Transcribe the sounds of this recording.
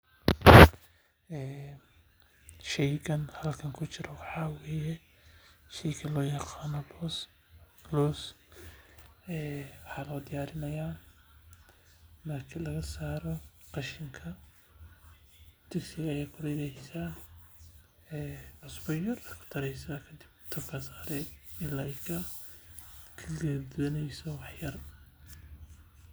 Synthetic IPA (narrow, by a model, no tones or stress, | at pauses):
ɛː | ʃɛjkɐnhɐlkʰɐŋkʰʊt͡ʃɪɾɔwɑħɑːweːjɛ | ʃɛjkʰɐlɔːjɑqɑːnɔ | lɔːs | ɛːwɑħɑːlɔːd̪ɪjaːɾɪnɐjaː | mɐrkʰɐlɐɣɐsaːɾɔ | qɑʃɪŋkʰɐ | d̪̥ʰɛksɪɣɐːjaːkʰʊlɐjlahɪsa | ɛːʕʊsbɔjɐrɐkʰʊ̥t̪ʰɐɾɛjsakʰɐd̪ɪbt̪ʰɐfkʰɐsaːɾɛɪlɐjkʰɐ | kʰɐɡɛrd̪ʊwɐnɛjsɔwɑħjɐr